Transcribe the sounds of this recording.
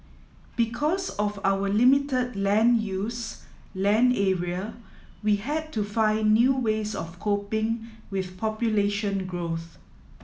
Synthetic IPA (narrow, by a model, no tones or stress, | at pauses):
b̥ikʰɔsɔfawəlimitədlɛ̃njus | lɛ̃nɛɹiə | wihɛd̚tufãɪ̃nːjuːwesɔ̰fkʰopɪ̃ŋ | wɪθpʰɔpjuleʃə̃nɡɹoθ